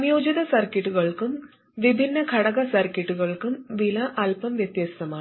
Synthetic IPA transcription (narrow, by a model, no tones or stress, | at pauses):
mjoːd͡ʒid̪ɐsɐɾkiʈːuɣɐɭkum | ʋibʱinːɐkʰɐɽɐɣɐsɐɾkiʈːuɣɐɭkumʋilɐʔɐlpɐmʋjɐt̪jɐst̪ɐmaː